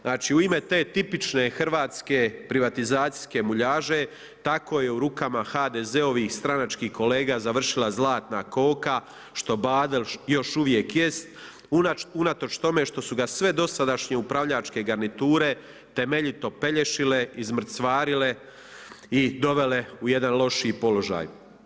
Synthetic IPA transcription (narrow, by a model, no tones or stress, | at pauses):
aːt͡ʃiuime̞t̪e̞ːt̪ipit͡ʃne̞xr̩ʋaːt̪skepɾiʋat̪izaːt̪si̥ske̞muʎaːʒe̞ | t̪ako̞ːjeuɾukamaxaːd̪eze̞oʋiːxst̪ɾanat͡ʃkiːhko̞leːɡaːzaʋr̩ʃilazlˠaːt̪nako̞ːka | ʃt̪o̞baːd̪eljo̞ʃuʋje̞kje̞st̪ | unat̪o̞t͡ʃt̪o̞me̞ʃt̪o̞suɡasʋe̞d̪o̞sad̪aʃɲe̞upɾaʋʎat͡ʃke̞ɡaɾnit̪uːɾe̞ | t̪e̞me̞ʎit̪o̞pe̞ʎe̞ʃile̞izm̩t̪sʋaːɾile̞ | id̪o̞ʋe̞le̞uje̞d̪anlˠo̞ʃiiːpo̞lo̞ʒa̰ːj